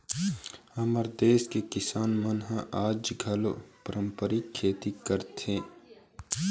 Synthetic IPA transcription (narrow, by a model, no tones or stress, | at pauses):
ɐməɾd̪eːskekɪsaːnmənɦãʔaːd͡ʒɡʱɐlopəɾʔə̃mpəɾikʰːeːt̪ikəɾt̪ʰẽː